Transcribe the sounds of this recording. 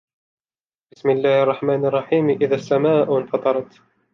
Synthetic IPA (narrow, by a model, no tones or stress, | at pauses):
bɪsmɪlːaːhɑrˤːɑħmaːnɑrˤːɑħiːmʔɪðasːamaːʔnfɑt̪ˤɑɾˤɑt̪